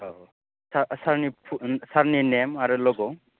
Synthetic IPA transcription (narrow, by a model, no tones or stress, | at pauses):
sasaɾnipʰusaɾninemaɾulɔɡɔ